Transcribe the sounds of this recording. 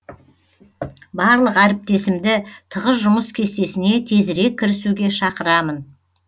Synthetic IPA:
bɑɾlˠəqæɾɪp̚t̪e̞sɪmd̪ɪt̪ʰəʁəs̬ʒʊməskʲʰe̞st̪e̞sɪne̞t̪ʰe̞zɪɾe̞k̚ʲːɪɾɪsuɡʲe̞ʃɑqəɾɑmən

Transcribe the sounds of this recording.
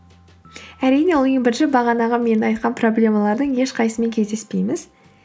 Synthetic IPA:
æɾijne̞woj̪əɴbɪɾʒɪbɑʁɑnɑʁɑme̞nɪnɑjt̪̚qʰɑnpʰro̞blʲe̞mɑlˠɑɾd̪əɴje̞ʃqʰɑjsəme̞ŋkʲʰezd̪e̞spe̞jmɪz

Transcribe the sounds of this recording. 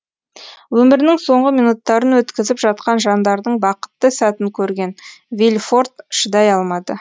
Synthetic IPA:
wɵmɪɾnɪŋso̞ɴʁəmijnut̪ːɑɾənwɵt̪kʲɪzɪpʒɑt̪̚qɑnʒɑnd̪ɑɾd̪əɴbɑqə̥t̪ːəsæt̪ɪŋkʲʰɵɾɡʲe̞nvʲilʲfo̞ɾt̪ʃəd̪ɑjɑlˠmɑd̪ə

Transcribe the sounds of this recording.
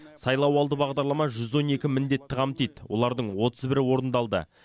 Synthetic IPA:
sɑjlˠɑwɑlˠd̪əbɑʁd̪ɑɾlˠɑmɑʒʏzo̞ne̞kʲɪmɪnd̪e̞t̪ːɪʁɑmt̪ijt̪wʔo̞̰lˠɑɾd̪əɴwo̞t̪ʰəzbɪɾɪwo̞ɾənd̪ɑlˠd̪ə̰

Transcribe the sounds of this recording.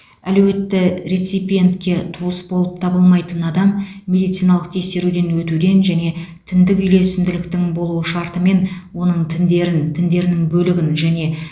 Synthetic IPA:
ælwe̞t̪ːɪɾejt̪sijpʲije̞nt̪kʲe̞t̪ʰuəsbolˠəp̚t̪ʰɑbəlˠmɑjt̪ənɑd̪ɑmːe̞d̪ijt̪sijnɑlˠəq̚t̪ʰe̞kse̞ɾud̪e̞nwɵt̪ud̪e̞nʒæne̞t̪ʰɪnd̪ɪkʲʏjle̞sɪmd̪ɪlɪkt̪ɪŋbo̞lˠuwəʃɑɾt̪əme̞nwo̞nəɴt̪ʰɪnd̪e̞ɾɪnt̪ʰɪnd̪e̞ɾɪnɪŋbɵlɪɡʲɪnʒæne̞

